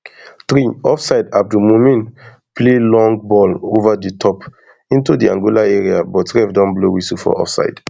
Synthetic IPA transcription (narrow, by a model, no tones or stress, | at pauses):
tɾiɔfsaɪdaf̚dumomĩn | plelɔ̃ŋɡbɔlovaditʰɔp | ĩntudiã̰ŋɡolaɛɹia̰bɔtɹɛvdɔ̃nblowisufɔ̰ɔ̰fsa̰ɪd̥